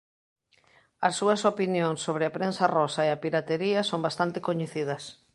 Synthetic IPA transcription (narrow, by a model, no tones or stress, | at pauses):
ɐsːuɐsopinjõŋsːoβ̞ɾɪapɾensarɔsaeɐpiɾat̪eɾiɐsombast̪ant̪ɪkoɲeθiðɐs